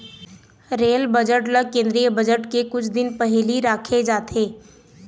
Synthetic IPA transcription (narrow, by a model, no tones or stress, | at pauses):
ɾeːlbəd͡ʒəʈləɡ̚kẽːnd̪ɾijəbəd͡ʒəʈkekʊt͡ʃʰd̪ɪnpɐɦliɾaːkʰed͡ʒaːt̪ʰeː